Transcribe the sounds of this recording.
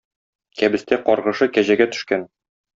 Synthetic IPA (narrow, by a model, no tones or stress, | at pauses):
kæbɘ̆st̪æqɒɾʁɤ̆ʃɤkæʑæɡæt̪ɵ̥̆ʃkæn